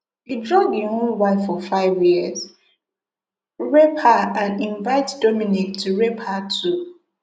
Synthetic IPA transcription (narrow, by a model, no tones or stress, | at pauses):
idɹɔɡihõnwaɪfɔfaɪvjiəz̥ | ɹɛphaãnĩɱvaɪtdɔmĩnik̚tʰuɹɛphatʰu